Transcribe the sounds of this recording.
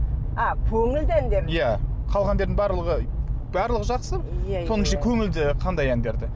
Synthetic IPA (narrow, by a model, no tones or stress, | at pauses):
ɑkʲʰɵŋɪld̪ɪænd̪eɾjæqʰɑlˠʁɑnd̪e̞ɾd̪ɪŋbɑɾlˠəʁəbɑɾlˠəʁəʒɑqsəso̞nəʃɑkʲʰɵŋɪld̪ɪqʰɑnd̪ɑjænd̪e̞ɾd̪ɪ